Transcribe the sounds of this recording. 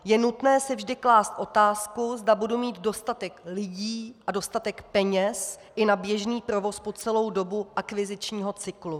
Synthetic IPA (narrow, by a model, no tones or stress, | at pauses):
jɛnut̪nɛːsɪvʒdɪklaːst̪ʔo̞t̪aːskuzdabudumiːt̪do̞st̪at̪ɛklɪɟiːʔʔado̞st̪at̪ɛkpɛɲɛs | ʔɪnabjɛʒniːpɾo̞vo̞spo̞t͡sɛlo̞wdo̞buʔakvɪzɪt͡ʃɲiːɦo̞t͡sɪklu